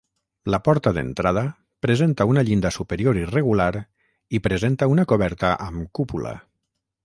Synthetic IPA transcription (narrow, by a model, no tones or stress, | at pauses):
lapɔɾt̪əðḛnt̪ɾað̞ə | pɾezent̪aunaʎind̪əsupeɾioɾireɣulaɾ | ipɾezent̪aunakoβɛɾt̪əʔəmkupula̰